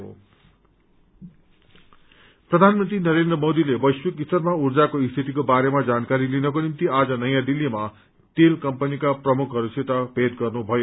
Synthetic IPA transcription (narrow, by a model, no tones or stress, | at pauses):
prʌd̪ʱanmʌnt̪rinʌɾend̪rʌmod̪ilebʌjswikist̪ʌrmaurd͡zakoist̪ʰit̪ikobaɾemad͡zankaɾilinʌkonimt̪iad͡zʌnʌjãd̪ilːima | t̪elkʌmpʌnikaprʌmukʰɦʌɾuset̪ʌbʱed̪ɡʌrnubʱʌjo